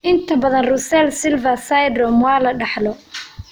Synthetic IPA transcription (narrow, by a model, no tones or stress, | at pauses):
ʔɪnt̪ʰɐbɐðɐnrʊsɛlsɪlvɐsajd̪ɾɔmwɑːlɐɖɑħlɔ